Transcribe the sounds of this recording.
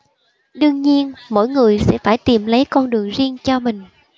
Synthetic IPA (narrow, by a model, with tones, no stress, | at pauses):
ɗɨ˧əŋɲi˧ənmo̰˧˥˨jŋɨ˨˩əjsɛ̰˧˥faː˧˩jt̪i˨˩mlə˨˦jkɔ˧nɗɨ˨˩əŋzi˧əŋt͡ɕɔ˧mï˨˩ŋ̟